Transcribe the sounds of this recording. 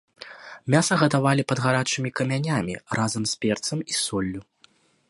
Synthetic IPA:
mʲasɐɣɐt̪avalʲipɐd̪ɣaɾat͡ʂɨmʲikɐmʲanʲamʲirazɐmspʲɛrt̪sɐmisɔlʲːu

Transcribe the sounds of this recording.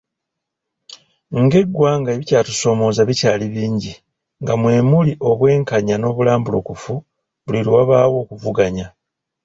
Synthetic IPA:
ŋɡe̞ɡːwaːŋɡaeβicaːtu̥so̞mo̞ːzaβicaːliβiːɲɟi | ŋɡamwe̞ːmuliʔo̞βwe̞ːŋkaɲano̞βulaːmbulo̞̰kufu | βuliɾiwaβaːwo̞ːkuvuɡaɲa

